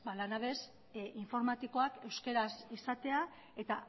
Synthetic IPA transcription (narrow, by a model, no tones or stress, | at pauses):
balanaβe̞s | iɱfo̞ɾmat̪iko̞ake̞wske̞ɾasisat̪e̞a | e̞t̪a